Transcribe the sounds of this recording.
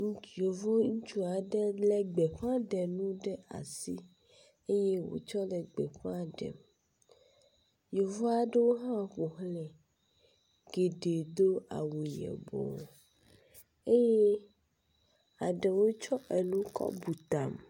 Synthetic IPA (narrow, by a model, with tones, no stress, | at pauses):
ŋ˦jo˨vo˦ŋũ˦t͡ʃu˦a˨ɖɛ˦lɛ˨ɡ͡bɛ˨ɸã˦ɖɛ˨nũ˦ɖɛ˦a̰˨si˦ | e˦je˦wo̰˨t͡ʃɔ˦lɛ˨ɡ͡bɛ˨ɸã˦ɖɛ̰˨m | jo˨vɔ˦a˨ɖe˦wo˦ɦã˦ɸo˨ɦlɛ˨ | ɡe˨ɖe˨d̪o˦a̰˨wũ˨jɛ̰˨bɔ̰˨ | e˦je˦ | a˨ɖɛ˨wo˦t͡ʃɔ˦ʔe˨nũ˦kɔ̰˦bu˨t̪a˨m